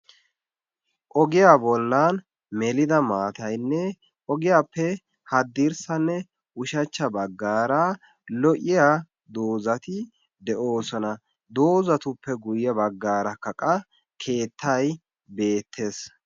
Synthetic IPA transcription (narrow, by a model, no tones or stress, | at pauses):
ʔɔɡɪjaːbɔlːan | mɛlɪd̪ɐmaːt̪ɐjnːɛ | ʔɔɡɪjaːpːɛ | hɐd̪ːiːɾsɐnːɛ | ʔʊʃɐt͡ʃːɐbɐɡːaːɾɐ | lɔʔɪjaː | d̪oːzɐt̪ɪ | d̪ɛʔo̞ːsɔnɐ | d̪o̞ːzɐt̪ʊpːɛɡʊjjɐbɐɡːaːɾɐkːɐkʼɐ | kʰe̞ːt̪ʰːɐj | be̞ːt̪ʰːe̞ːs